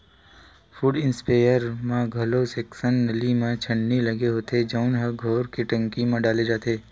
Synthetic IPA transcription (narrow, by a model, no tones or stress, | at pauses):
fuːɖɪnspaːjəɾmãɡʱɐloseːksənːəlimãt͡ʃʰəɳːilɐɡeɦoːt̪ed͡ʒaʊnɦɐɡʱoːɾkiʈə̃ŋkimãɖaːled͡ʒaːt̪eː